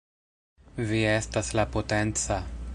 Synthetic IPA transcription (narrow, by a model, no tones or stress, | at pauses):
viestaslapotent͡sa